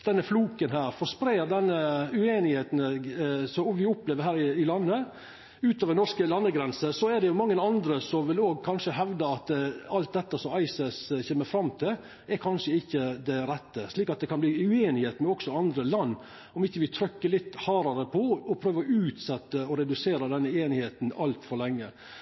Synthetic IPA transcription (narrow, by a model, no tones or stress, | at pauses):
d̪̥ɛnːəfluːkənɦæːɾfɔʂpɾeːd̪ɛnːəʉeːnɪheːt̪nsɔɔʋɪʊpleːʋəɾɦæːɾɪɪlɑnːə | ʉːt̪ɑːʋdɛnɔɾʂkəlɑnːəɡɾɛnsəsɔɛd̪ɛjʊmɑŋːənɑnd̪ɾəsɔmʋɪloːɡkʰɑnʂəɦɛʋd̪əɑt̪ɑlt̪̚d̪ɛt̪ːɑsɔmɑɪsɛsçɛːmːəɾfɾɑmt̪ʰɪl | ɛɾkʰɑnʂəɪçːəd̪ɛɾɛt̪ːəʂɭiːkɑt̪̚d̪ɛkʰɑnb̪iːʉeːnɪheːt̪mɛɔksɔɑnd̪ɾəlɑnː | ɔmɪçːəʋɪt̪ʰɾœkːəlɪt̪ːhɑːɾɑɾəpʰɔɔpʰɾøːʋəɾɔʉːt̪sɛt̪ːəɔɾɛd̪ʉseːɾɑd̪ɛnːəeːnɪheːt̪nɑlt̪fɔɾlɛŋːə